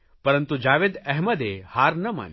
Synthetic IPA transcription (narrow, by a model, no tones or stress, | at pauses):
pɐɾənt̪ud͡ʒaːʋed̪ɛɦmɐd̪ehaːɾnɐma̰n